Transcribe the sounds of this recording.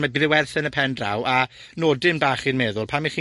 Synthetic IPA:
maɡrɪwɛrθənəpʰɛndra̰wa | noːdɪmbaːχinmɛðʊlˠpʰamːiχiː

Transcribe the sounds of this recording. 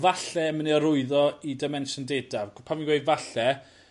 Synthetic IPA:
vaɬɛməniɔɾʊɨðɔidɛmɛnʃəndedavpʰamiɡwejdvaɬɛ

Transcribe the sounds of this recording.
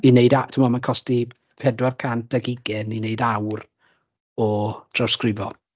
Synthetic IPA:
ineɨdatʰɪmɔmankʰɔsti | pʰɛdwarkʰand̥aɡɪɡɛninejdawr | ɔd̥ʰrawskrɪvɔ̰

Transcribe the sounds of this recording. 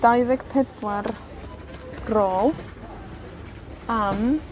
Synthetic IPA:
d̥ajðɛɡ̥pʰɛdwar | ɡ̥roːlˠ | am

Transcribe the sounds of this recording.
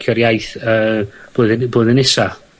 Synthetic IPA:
kʰjɔɾjajθəːb̥oːðboːðənɪsa

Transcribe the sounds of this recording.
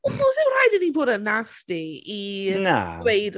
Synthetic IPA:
ɔkɔsɛwr̥ajdəniboːdənastiina̰wejd

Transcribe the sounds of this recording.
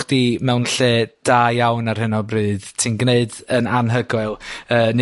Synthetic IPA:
d̥imɛwnɬeːd̥aːjawnarhənɔbrɨːð̥tʰinɡneɨdənanɦəɡɨlˠəːn

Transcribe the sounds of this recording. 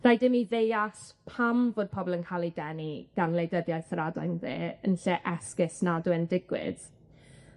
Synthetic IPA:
r̥ajdɪmiðejaspʰamvoːd̚pʰɔbɔlˠənkʰalˠidɛniɡ̥anlˠejdəðjajθɾadajnðḛːənɬɛʔɛskɪsnaduːəndɪɡwɪ̰d̥

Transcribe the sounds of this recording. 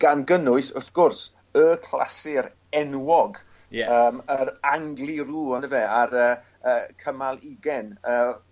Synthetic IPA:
ɡ̥anɡənʊɨsʊθɡ̥ʊrs | əkʰl̥ˠa̰sɪɾ | ɛnwɔɡ | əːməɾaŋɡlˠiɾuːənəvɛaɾəː | əːkʰəmalˠiɡɛnəː

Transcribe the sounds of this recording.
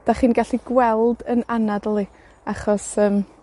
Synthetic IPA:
d̥aχiːnɡaɬiɡwɛlˠdənanadəlˠi | aχɔsəːm

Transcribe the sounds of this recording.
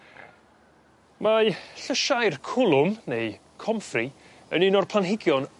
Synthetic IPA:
maɬəʃajrkʰʊlˠʊmnej | kʰɔmfri | əninɔrpʰlˠanɦɪɡjɔn

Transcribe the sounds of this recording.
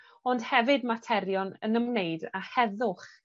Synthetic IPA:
ɔnd̥hɛvɨdmatʰɛɾjɔnənəmneɨdahɛðʊχ

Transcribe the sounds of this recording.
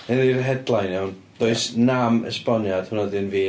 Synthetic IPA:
ɨnirɦɛdlˠajnawn | d̥oɨsnamə̰spɔnjad̥hʊnɔdɪnviː

